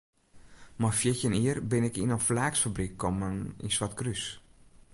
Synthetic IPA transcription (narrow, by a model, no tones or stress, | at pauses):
mafjɪcəniərbɪnɪkinənflaːksfabrikʰːɔmənḭnswatkrys